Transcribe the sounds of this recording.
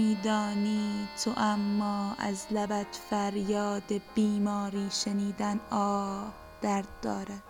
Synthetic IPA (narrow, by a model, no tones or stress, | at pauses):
iːd̪ɒːniːt̪ʰoʔæmːɒːæ̰zlæbæt̪fæɾjɒːd̪eb̥iːmɒːɾiːʃeniːd̪ænɒːb | d̪̥æɾd̪̚ːɒːɾæd̪̥